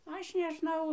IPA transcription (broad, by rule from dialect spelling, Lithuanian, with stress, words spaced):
ˈɐʃ nʲɛʒˈnɐʊ